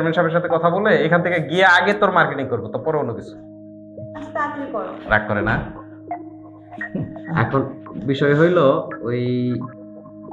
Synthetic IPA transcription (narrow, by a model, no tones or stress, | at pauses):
ɾmenʈʃabeɾʃ̬at̪ʰekɔt̪ʰaboleejkʰant̪ʰekeɡiaaɡet̪oɾmaɾkeʈiŋkoɾbot̪opɔɾeonːokit͡ɕʰu̥ | akikɔɾoɾa̰k̚ʰkoɾena | ɛ̰kʰonbiʃɔeɦojlooj